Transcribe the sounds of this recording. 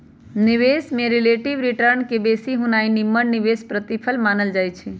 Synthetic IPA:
nɪʋesmẽɾɪleʈiʋɾɪʈəɾnkebesiɦũnainimːəɳniʋespɾət̪ipʰəlmanəld͡ʒaːjt͡ʃʰe

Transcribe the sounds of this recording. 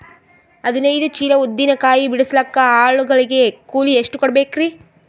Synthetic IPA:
ɐd̪inɐjd̪ut͡ʃiːlɐud̪ːinɐkaːjibiɽuslɐkːɐaːɭuɡɐɭiɡe̞kuːlieʂʈukɔɽɐbeːkɾi

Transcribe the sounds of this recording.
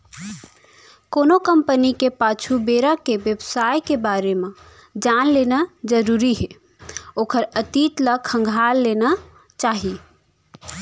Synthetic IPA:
konokəmpənikepat͡ʃʰubeɾəkeʋjebsajkebaɾeme | d͡ʒanlenad͡ʒəɾuɾiɦe | oːkʰəɾət̪it̪ləkʰə̃ŋɡʱalːena | t͡ʃaɦi

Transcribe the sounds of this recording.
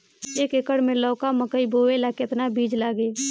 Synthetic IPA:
eːkekəɽmẽlɔːkaməkəibʱoːʋelaːkeɪt̪nabʱiːd͡ʒlaːɡe

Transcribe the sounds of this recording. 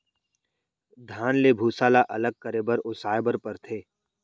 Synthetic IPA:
d̪ʱaːnlebʱuːsaːlaʔɐləɡ̚kəɾeːbəɾʊsaːebəɾpəɾt̪ʰeː

